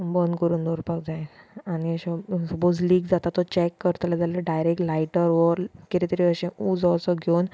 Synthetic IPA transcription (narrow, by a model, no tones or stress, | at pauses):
bənkəɾuːnd̪ʱɔɾpak̚d͡zaẽaniəɕɔ̃səpod͡zliːɡd͡zat̪at̪ːɔt͡ɕɛkːəɾt̪lad͡zaleɖajɾekʈlajʈəɾʋəɾkiɾit̪ɾiəɕẽud͡zɔsɔɡʱown